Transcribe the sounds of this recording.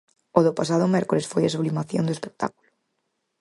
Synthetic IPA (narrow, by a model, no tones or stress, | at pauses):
oðopasaðʊmeɾkolesfojasuβlimaθjo̰nd̪oespek̚t̪a̰ku̥lʊ